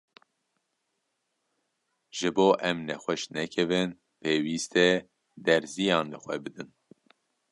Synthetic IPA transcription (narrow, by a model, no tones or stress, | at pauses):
ʒ̥ɨboːʔɛmnɛxʷɛʃnɛkʰɛvɨn | pʰeːwiːst̪ɛ | d̪ɛɾzijɑ̃ːnlɨxʷɛbɨd̪ɨn